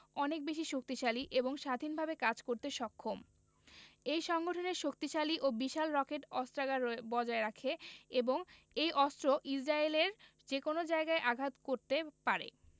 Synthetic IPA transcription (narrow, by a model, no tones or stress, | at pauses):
ɔnek̚beʃ̬iʃok̚t̪iʃaliʔeboŋʃad̪ʱinbʱabekad͡ʑkoɾt̪eʃɔkʰːom | ejʃɔŋɡoʈʰoneɾʃok̚t̪iʃaliʔobiʃalɾɔkeʈɔst̪ɾaɡabɔd͡ʑaeɾakʰeeboŋ | ejʔɔstɾoʔid͡ʑɾaeleɾ | d͡ʑekonod͡ʑaeɡaeʔaɡʱat̪koɾt̪epaɾḛ